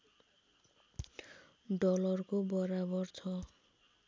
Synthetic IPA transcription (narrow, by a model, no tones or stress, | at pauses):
ɖɔlʌrkobʌɾabʌrt͡sʰʌ